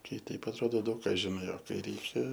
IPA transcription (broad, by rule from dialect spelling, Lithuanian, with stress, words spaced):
ˈkɐɪ ˈtʲɛɪp ɐtˈroːdoː ˈdɐʊk ˈkɑː ʒʲɪˈnɐɪ oː ˈkɐɪ ˈrʲɛɪkʲɛ